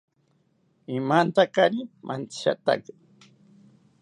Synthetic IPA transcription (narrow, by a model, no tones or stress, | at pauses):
imant̪akaɾimʔa̰nt̪i̥ʃa̰t̪a̰k